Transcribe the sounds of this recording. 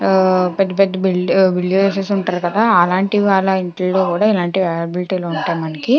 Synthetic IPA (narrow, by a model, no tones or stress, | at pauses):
pɐd̪ːipɐd̪ːɐbilbilːuʋeːsesuɳʈaːɾukɐd̪aːɐlaːɳʈiʋaːɭːɐiɳʈiːo̞ːkuːɽaːilaːɳʈiʋɛːlɐbiliʈiːlo̞ːuɳʈaːjmɐnɐki